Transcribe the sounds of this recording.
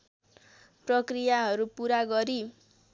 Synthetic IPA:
prʌkrijaɦʌɾupuɾaɡʌɾi

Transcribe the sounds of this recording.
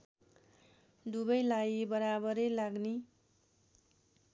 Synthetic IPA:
d̪ubʌjlaibʌɾabʌɾʌjlaɡni

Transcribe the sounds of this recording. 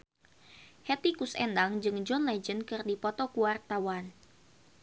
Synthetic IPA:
hɛt̪ikusɛ̰ndaŋd͡ʒɨŋd͡ʒɔnlɛd͡ʒənkɨrdipɔt̪ɔkuwart̪awan

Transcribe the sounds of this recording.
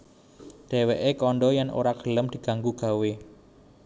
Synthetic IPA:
d̪̥e̤weʔekɔɳɖɔjano̰ɾaɡ̥ələmd̪̥i̤ɡ̥a̤ŋɡuɡ̥a̤we

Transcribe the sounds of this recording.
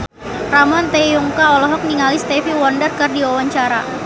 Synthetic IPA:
ramɔnt̪ɛjuŋkaɔlɔɦɔk̚niŋalist̪ɛfiwɔndərkɨrdiwawaɲt͡ʃaɾa

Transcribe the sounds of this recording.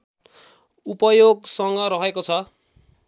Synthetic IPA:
upʌjoɡsʌŋɡʌɾʌɦekot͡sʰʌ

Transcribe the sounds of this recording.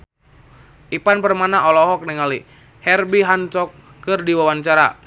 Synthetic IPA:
ʔipanpərmanaʔɔlɔɦɔk̚nɛŋali | hɛrbiɦant͡ʃɔkː | ɨrdiwawant͡ʃaɾa̰

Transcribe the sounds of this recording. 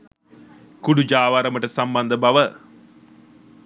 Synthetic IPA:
kuɖud͡ʒaːʋaɾəməʈəsamband̪əbaʋə

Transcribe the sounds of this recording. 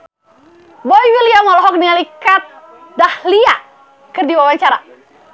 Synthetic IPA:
bɔjwilijamɔlɔɦɔk̚nialikat̪̚ | dahlia | kɨrdiwawaɲt͡ʃaɾa

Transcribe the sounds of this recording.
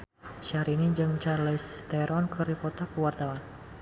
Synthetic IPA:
ʃaɾinid͡ʒɨŋt͡ʃarlɛst̪ajɾɔnkəɾipɔt̪apəwart̪awan

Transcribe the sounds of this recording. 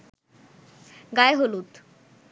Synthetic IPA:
ɡajɦoluːt̪

